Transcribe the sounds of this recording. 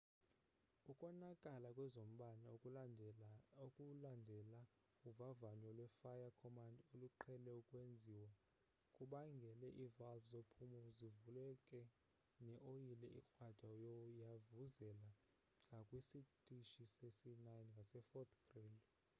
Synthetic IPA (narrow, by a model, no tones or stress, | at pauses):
ukʼɔnakʼalakʼwɛzom̩ɓana | kʼundʱɛla | uvavaɲwalwɛfajakʰɔmandoluǃʰɛlɛukʼwend͡zʱiwa | kʼuɓaŋɡʱɛlɛʔivalvzopʰumuzivulɛkʼɛ | nɛʔojilɛʔikʼwad̥ʱajɔjavuzɛla | ŋɡʱakʼwisitʼiʃisesinajnŋɡʱasɛfɔt̪ʰʼɡ̥rend